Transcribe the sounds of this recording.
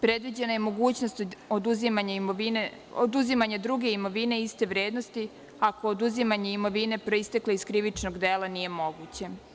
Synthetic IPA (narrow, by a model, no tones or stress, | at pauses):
pɾed̪ʋid͡ʑe̞najemo̞ɡuːt͡ɕno̞st̪od̪uzimaɲaioineod̪uzimaɲed̪ɾuɡe̞imo̞ʋine̞ist̪e̞ʋɾe̞ːd̪no̞st̪i | ako̞ːd̪uzimaɲeimo̞ʋine̞pɾo̞ist̪ekleiskɾiʋit͡ʃnoɡd̪eːlˠanije̞mo̞ɡut͡ɕe̞